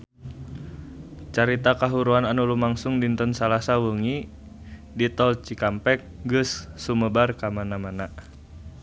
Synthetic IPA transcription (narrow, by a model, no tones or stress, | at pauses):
t͡ʃaɾit̪akaɦuɾuananulumaŋsuŋdint̪ɔnsalasawəŋi | dit̪ɔlt͡ʃikampɛk̚ɡɨsːuməbarkamanamana